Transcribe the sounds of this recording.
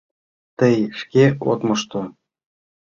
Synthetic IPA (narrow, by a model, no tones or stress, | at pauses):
t̪ɤ̆jʂkʲeo̰t̪mɤ̆ʃt̪ŏ